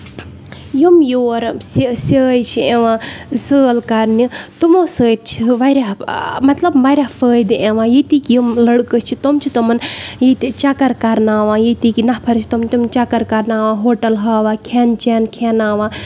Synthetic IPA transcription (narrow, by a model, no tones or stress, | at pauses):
jumjoːɾssəːjt͡ʃʰieʋãːsəːlkɐɾnit̪umoːsəːtt͡ʃʰiʋɐɾʲaɦmɐt̪lɐbmɐɾʲafəːjd̪ɨʔẽʋãːjit̪iːkijumlɐɽkət͡ʃʰit̪omt͡ʃʰit̪omɐnjit̪it͡ʃɐkɐɾkɐɾnaːʋãːjit̪ikinɐhpʰɐɾt͡ʃʰi̥t̪omt̪umnt͡ʃɐkɐɾkɐɾnaːʋãːɦoːʈɐlɦaːʋaːkʰent͡ʃenkʰenaːʋãː